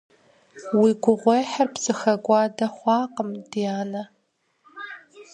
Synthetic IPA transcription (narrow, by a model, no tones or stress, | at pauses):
wiɡʷʊʁʷejħarpsʼɨxɐɡʷɑːdɐχʷɑːqəmd̥ijaːnɐ